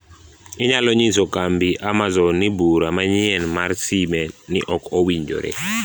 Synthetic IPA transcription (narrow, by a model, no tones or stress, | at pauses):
ɪɲalɔɲisɔkambiʔamazɔnɪbuɾamaɲɪɛnmarsimɛnɪ̰ʔɔkowiɲd͡ʒo̰ɾḛ